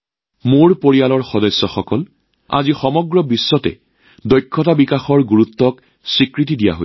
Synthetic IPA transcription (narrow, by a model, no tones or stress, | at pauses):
moɹpoɹijalɔɹxɔdɔsːɔxɔkɔl | a̰zixɔmɔɡɹɔbisːɔtɛ̰ | dɔjkʰːɔtabikaxɔɹɡuɹut̪ːɔk | sɹikɹit̬idija̰ɦo̰